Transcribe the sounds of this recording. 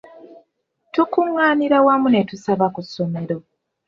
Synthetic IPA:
tukumwaːniɾawamunetusaβakusːo̞me̞ɾo̞

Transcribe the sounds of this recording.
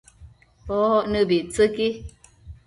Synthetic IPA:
pɔhɔʔnəbit͡səki

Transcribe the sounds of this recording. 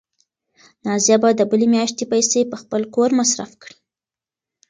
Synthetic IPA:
nɑzijabad̪əbəlemjɑʃt̪epajsepəxpəlkoɾmasɾa̰fkɽi̥

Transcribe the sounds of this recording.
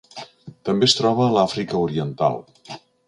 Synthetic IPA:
t̪əmbest̪ɾɔβ̞əːlafɾikəuɾiənt̪a̰lˠ

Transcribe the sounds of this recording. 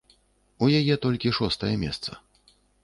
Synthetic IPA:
ujajɛt̪ɔlʲkʲiʂɔst̪ɐjɛmʲɛ̰st̪sɐ̰

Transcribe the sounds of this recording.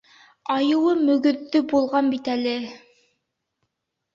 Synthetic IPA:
ɑjɤ̆wɤmɵ̆ɡɵ̆ðːɵbulˠʁɑnbit̪ælɘ

